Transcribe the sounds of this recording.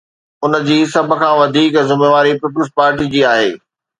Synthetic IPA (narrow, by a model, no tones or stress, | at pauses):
ʊnə̆d͡ʑiːsɐbʱʊ̆kʰãːʋɐd̪ʱiːkzɪmeːʋaːɾipip̬ələspaːɾʈid͡ʑiːaːɦḛː